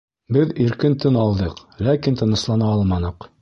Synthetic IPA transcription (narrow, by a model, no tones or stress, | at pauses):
bɘðiɾkɘnt̪ɘnɑlˠd̪ɤqlækint̪ɤ̆nɤ̆slˠɑnɑɒlˠmɑnɤ̆q